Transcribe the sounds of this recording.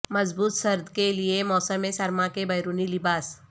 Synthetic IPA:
mɐzbuːt̪sɐɾd̪ʱkeliemɔːsəmːẽsɐɾmãkebɐjɾuːnilɪbaːs

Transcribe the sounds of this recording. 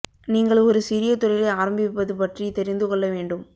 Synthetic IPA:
niːŋɡɐɭɔɾɯsɪɾɪjɐt̪ːʊɾɐɪlɐɪaːɾɐmbɪpːɐðɯpɐʈrit̪ɛɾɪnd̪ɯkɔɭːɐʋeːɳɖɯm

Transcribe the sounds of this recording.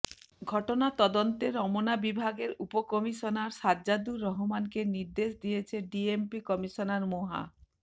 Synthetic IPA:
ɡʱɔʈonat̪ɔd̪ont̪eɾɔmonabibʱaɡeɾupokɔmiʃonaɾsadʑad̪uɾɔɦomankeniɾd̪eʃd̪ijet͡ɕʰeɖiempikɔmiʃonaɾmoɦa̰

